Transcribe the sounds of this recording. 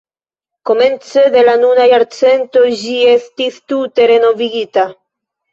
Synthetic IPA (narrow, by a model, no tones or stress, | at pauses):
ko̞me̞nt͡sed̪e̞lanunajaɾt͡se̞nt̪o̞d͡ʒie̞st̪ist̪ut̪e̞ɾe̞no̞viɡita